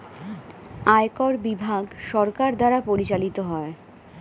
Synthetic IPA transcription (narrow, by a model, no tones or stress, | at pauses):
aekɔɾbibʱaɡʃɔɾkaɾd̪aɾapoɾit͡ɕalit̪oɦɔe